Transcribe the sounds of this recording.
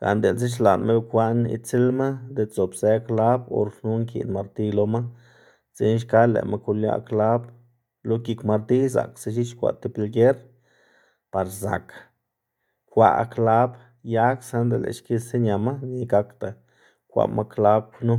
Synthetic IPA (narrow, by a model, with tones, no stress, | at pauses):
ɡ̥a̰˨nd̪e˨nz̬i˦ʃ̬la˨nme˦˧kʷa˦nḭ˧t͡si˦lma˦d̪e˧t͡so˨bze˧kla˦bo̰˧ɾnu˦ŋkḭ˨nma˧ɾt̪i˧lo˧ma˦ | ze˧˦nʃ̬ka˦lḛ˨mʔa˧ku˧lja̰˧kla˦b | lo˦ki˧kma˧ɾt̪i˦za̰˨kse˧ʃ̬i˦t͡ʃkʷa̰˨t̪e˧pi˧lɡe˦ɾ | pa˨ɾza̰˨k | kʷa̰˧kla˦b | ja˦ksa˦nd̪e˨lḛ˨ʃki˦se˦ɲʲa˨ma˦ni˧ɡa˧kt̪a˨ | kʷa̰˧ma˦kla˦b̚nu˦